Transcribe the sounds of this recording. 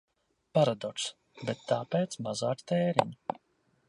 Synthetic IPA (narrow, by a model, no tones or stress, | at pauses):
paɾad̪ɔks | bet̪ːaːpeːt̪smazaːkt̪ɛːɾḭɲ